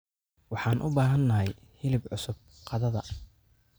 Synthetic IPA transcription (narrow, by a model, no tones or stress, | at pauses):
wɑħɑːnʔʊbaːɦɐnːɐɦɛj | hɪlɪbʕʊsʊb̚qɑðɐðɐ